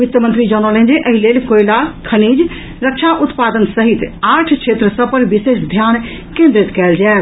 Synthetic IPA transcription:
it̪əmə̃nt̪ɾid͡ʒɔnɔlẽnd͡ʒeʔəɦilelkoilakʰənid͡ʒ | ɾək̚t͡ʃʰaʔut̪pad̪ənsəɦit̪aːʈʰt͡ʃʰet̪ɾəsəbpəɾʋisesd̪ʱjan | kẽnd̪ɾit̪kɛːld͡ʒaet̪

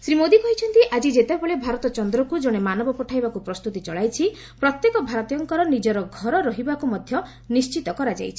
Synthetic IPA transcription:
sɾimod̪ikɔɦit͡ʃʰɔnt̪iʔad͡ʒid͡ʒet̪ebabɔɭebʱaɾɔt̪ɔt͡ʃɔnd̪ɾɔkud͡ʒɔɽ̃emanɔbɔpɔʈʰajbakupɾɔst̪ut̪it͡ʃɔɭajt͡ʃʰi | pɾɔt̪jekɔbʱaɾɔt̪ijɔŋkɔɾɔnid͡ʒɔɾɔɡʱɔɾɔɾɔɦibakumɔd̪ʱjɔ | nist͡ʃit̪ɔkɔɾad͡ʒa̰jt͡ʃʰi̥

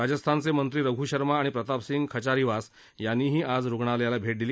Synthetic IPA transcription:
ɾad͡ʑəst̪ʰant͡semənt̪ɾiːɾəɡʱuɕəɾmaːɽ̃ipɾət̪apsiŋɡkʰət͡ɕaɾiʋas | janːiːɦiːʔad͡zɾuɡɳaljalabʱeʈ̚d̪iliː

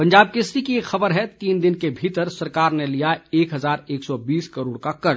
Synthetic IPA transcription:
pɐ̃ɲd͡ʒaːb̚kɪsɾikieːkxɐbəɾɦɛt̪iːnd̪ɪnkebʱiːt̪əɾsɐɾkaːɾnelijaeːkɦɐzaːɾeːksɔbiːskəɾoːɽkakɐɾ

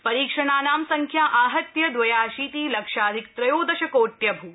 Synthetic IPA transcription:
pɐɾiːkʂɐɳaːnaːmsɐŋkʰjaːʔaːɦɐt̪jɐd̪ʋɐjaːʃiːt̪iːlɐkʂaːd̪ʱik̚t̪ɾɐjoːd̪ɐʃɐkoːʈ̪jɐbʱuː

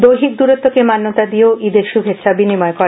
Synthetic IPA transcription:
d̪ojɦik̚d̪uɾot̪ːokemanːot̪ad̪ioid̪eɾʃubʱet̪ːʃʰabinimɔekɔ

